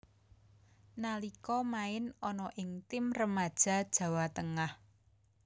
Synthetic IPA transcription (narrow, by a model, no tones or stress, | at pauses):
nalikɔmaɪnɔnɔʔɪŋt̪ɪmrəmad̥ʒ̥a̤d̥ʒ̥ä̤wat̪əŋah